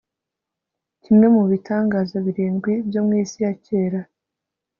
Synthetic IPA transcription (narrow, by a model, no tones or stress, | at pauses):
cimŋe̞muβitʰaːŋɡaːzaβiɾiːnɡwibjo̞mŋiːsijace̞ːɾa